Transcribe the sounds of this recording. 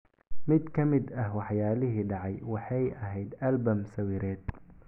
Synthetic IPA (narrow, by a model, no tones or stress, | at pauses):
mɪd̪kʰɐmɪd̪ɐhwɑħjaːlɪɦiːɖɑʕɑjwɑħɑjɐɦɛjd̪ɐlbɐmsɐwiːɾɛːd̪̚